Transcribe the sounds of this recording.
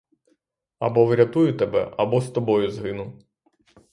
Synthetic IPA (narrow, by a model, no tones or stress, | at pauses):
ɐ̰bɔʋɾʲɐt̪ujʊt̪ɛbɛ̰ʔɐbɔst̪ɔbɔjʊzɦɪnʊ